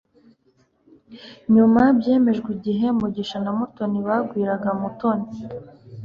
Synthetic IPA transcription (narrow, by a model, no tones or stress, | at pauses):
ɲumabje̞ːme̞ʒɡwiɟiɦe̞muɟiʃanamuto̞niβaɡwiːɾaɡamuto̞ni